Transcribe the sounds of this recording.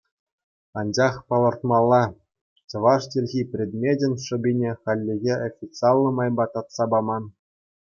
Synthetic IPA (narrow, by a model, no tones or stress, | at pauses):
ɑnd͡ʑɑχpɤ̆lˠɤ̆rt̪mɑlˠːɑ | t͡ɕɤ̆ʋɑʂtʲelʲɣʲipʲrʲed̪mʲedʲĕnʲʂɤ̆bʲinʲeχɑlʲːeɣʲeʔofʲit̪t͡sɨɑlʲˠːɤ̆mɑjbɑt̪ɑt̪sɑbɑmɑn